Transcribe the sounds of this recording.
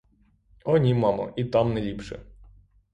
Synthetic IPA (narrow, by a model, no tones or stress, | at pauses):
ɔnʲimɑmɐ̰ʔit̪ɑmnɛlʲipʂɛ̰